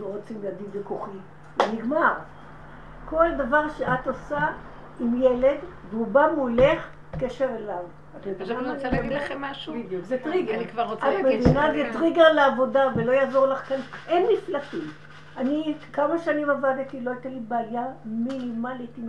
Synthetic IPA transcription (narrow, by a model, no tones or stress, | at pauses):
loʁot͡simlead̪idvekuχi | niɡmaʁ | ko̞ld̪avaʁʃeat̪osa | imjele̞dveubamuleχ | keʃe̞ʁelav | at̪mevinaniaɡilaemːaʃubid̪jukzet̪ʁiɡanikvaʁoamedinazet̪ʁiɡaleavo̞davelo̞jaːzo̞ʁlaχkanʔenmiflafim | anikamaʃanimavad̪it̪iloajt̪alibaːjaminimalit̪im